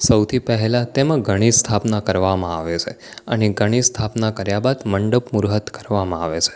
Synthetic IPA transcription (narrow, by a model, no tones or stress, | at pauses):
səwt̪ʰipɛɦɛlãt̪emãɡʱəɽ̃ist̪ʰapnakəɾʋamãaʋet͡ʃʰe | əneɡʱəɽ̃ist̪ʰapnakəɾjabad̪məɳɖəpmuɾɦət̪kəɾʋamãaʋet͡ʃʰe̥